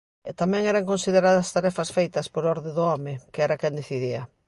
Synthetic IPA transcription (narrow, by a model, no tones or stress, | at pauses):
et̪amɛ̃ŋɛɾaŋkõnsiðeɾaðɐst̪aɾɛfɐsfejt̪ɐspoɾɔɾðeðʊɔmɪkeɛɾɐkɛ̃nd̪eθiðiɐ